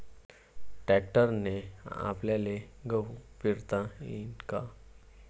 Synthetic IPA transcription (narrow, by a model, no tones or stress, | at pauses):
ʈɛk̚ʈəɾnea̰pljaleɡəwpiɾt̪aḭnka